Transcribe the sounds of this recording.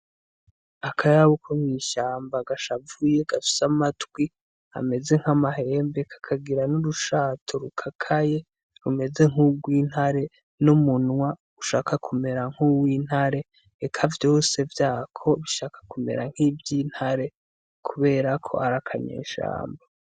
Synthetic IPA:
akʰajaβukʰomwiːʃaːmbaɡaʃavuje̞ɡ̥afi̥samatɡwi | a̰me̞ze̞ŋ̥hamaɦe̞ːmbe̞kʰḁkʰaɡiɾanuɾuʃaːtʰoɾukʰakʰaje̞ | ɾume̞ze̞ŋuɡwiːn̥haɾe̞ | numunwa | uʃaːkakʰume̞ɾaŋ̥uwiːn̥haɾe̞ | ekʰavjo̞ːse̞vjaːkʰo̞βiʃaːkḁkume̞̰ɾaŋ̥hivjiːn̥haɾe̞ | kʰuβe̞ːɾakʰo̞̰aɾakʰaɲḛːʃa̰ːmba

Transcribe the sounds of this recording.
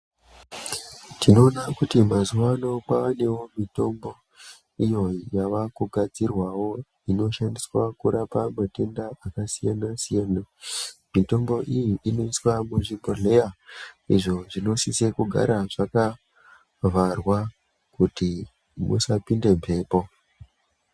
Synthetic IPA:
tino̞ːnakutimazuʋano̞kwaane̞wo̞mito̞mbo̞ | ijo̞jaʋakuɡʱad͡zirwawo̞ | ino̞ʃandiswakuɾapamate̞ndaʔakasijanasijanamito̞mbo̞ʔijiʔino̞iswamuʐimboɮe̞jaiʐo̞ʐino̞sisekuɡʱa̰ɾaʐaka | varwa | kuti | mṵsapinde̞mpe̞ːpo̞

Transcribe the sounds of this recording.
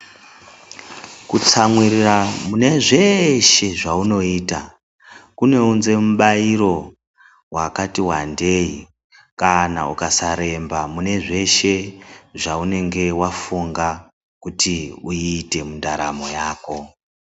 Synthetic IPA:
kut͡samwiriramune̞ʐe̞ʃe̞ʐauno̞iːta | kune̞unze̞muɓaiɾo̞ | wakatiwande̞i | kana̰ṵkasaɾe̞mbamune̞ʐe̞ʃe̞ʐaune̞ŋɡe̞wafuŋɡa | kutiuiːte̞mundaɾa̰mo̞jaːko̞

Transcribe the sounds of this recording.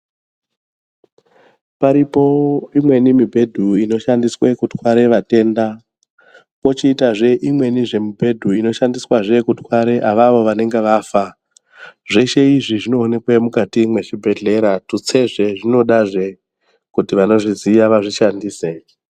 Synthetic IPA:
paɾipo̞imwe̞nimibʱe̞dʱuino̞ʃandiswekutwaɾe̞ʋate̞ːnda | ko̞t͡ʃiːtaʐe̞ʔimwe̞niʐe̞mubʱe̞dʱuino̞ʃandiswaʐe̞kutwaɾeʔaʋaʋo̞ʋane̞ŋɡe̞ʋafa | ʐe̞ʃe̞iʐiʐino̞ːne̞kwemukatimwe̞ʃibʱe̞ɮe̞ɾatut͡se̞ʐe̞ʐino̞ɗaʐe̞ | kutiʋano̞ʐizijaʋaʐiʃandiːse

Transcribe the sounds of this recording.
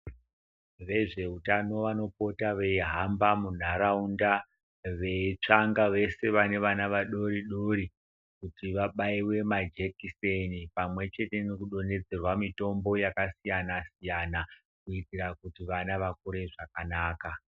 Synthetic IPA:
ʋe̞ʐe̞utano̞ʋano̞po̞taʋe̞iɦambamun̤aɾaunda | ʋe̞t͡ʂaŋɡaʋe̞se̞ʋane̞ʋanaʋaɗo̞ɾiɗoɾi | kutiʋaɓaiwe̞mad͡ʒekisenipamwe̞t͡ʃe̞te̞nokuɗo̞ne̞d͡ze̞rwamito̞mbo̞jakasijanasijana | kuitiɾakutiʋanaʋakuɾeʐakanaːka

